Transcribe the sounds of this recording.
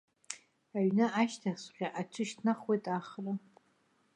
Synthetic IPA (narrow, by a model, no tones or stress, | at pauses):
aɥnɨʔaʃtʰasqʲaʔat͡ʃʷʰɨʃtʰnaχwejtʼaχla